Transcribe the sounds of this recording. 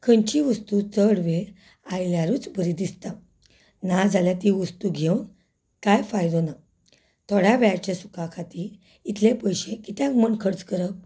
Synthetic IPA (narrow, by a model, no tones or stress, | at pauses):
kʰəɲt͡ɕiʋəst̪ut͡səɽʋe | ajljaɾut͡sbəɾid̪ist̪a | nad͡zaljat̪iʋəst̪uɡʱewn | kajfajd̪ona | t̪ʰɔɽ̤aʋɛt͡ɕesu̥kakʰat̪i | it̪ʰlepəjɕẽkit̪jãkməɳkʰəɽt͡skəɾək̚